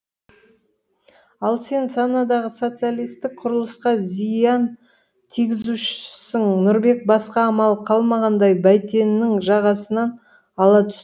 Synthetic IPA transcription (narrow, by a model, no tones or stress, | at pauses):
ɑlˠse̞nsɑnɑd̪ɑʁəso̞t̪sɨalʲijst̪ɪk̚qʰʊɾəlˠəsqɑzijɑn | t̪ʰiɡʲɪzuʃɪ̥sɪŋnʊɾbe̞k̚bɑsqɑːmɑlˠqʰɑlˠmɑʁɑnd̪ɑjbæjt̪e̞nnːɪŋʒɑʁɑsənɑn | ɑlˠɑt̪ʰʏ̥s